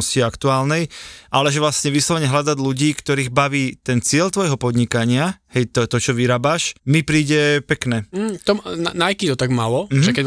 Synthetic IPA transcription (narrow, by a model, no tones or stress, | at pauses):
sciakt̪uaːlnɛjʔalɛʒɛʋlasɲɛʋislɔʋɲɛɦlad̪aɟluɟiːkt̪ɔɾiːɣbaʋiːt̪ɛnt͡sɪɛʎt̪ʋɔjɦɔpɔd̪ɲikaɲɪahɛjt̪ɔt̪ɔt͡ʃɔʋiɾaːbaʃmipɾiːɟɛpɛknɛːt̪ɔnanajkit̪ɔt̪aɡmalɔmʒɛkɛ